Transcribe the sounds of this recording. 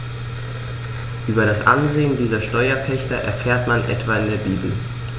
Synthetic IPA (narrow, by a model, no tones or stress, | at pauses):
ʔyːbɐɾasʔa̰nzeːəndiːzɐʃtɔʏɐpʰɛçtɐʔɛ̰ɐfeːɐtmanʔɛ̰tv̥aɪndeːɐbiːbl̩